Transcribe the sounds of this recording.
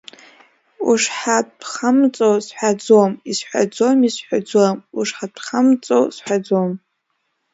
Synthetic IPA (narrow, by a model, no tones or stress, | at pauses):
ṵʂħapʰχamt͡sʼowsħʷᶣad͡zomisħʷa̰d͡zomisħʷᶣad͡zamuʂħapʰχamt͡sʼo̰wsħʷᶣad͡zom